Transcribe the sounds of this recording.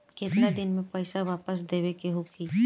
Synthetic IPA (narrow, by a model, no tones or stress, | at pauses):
keːt̪nad̪ɪnmẽpəɪsaʋaːpəs̬d̪eːʋekeɦokʰiː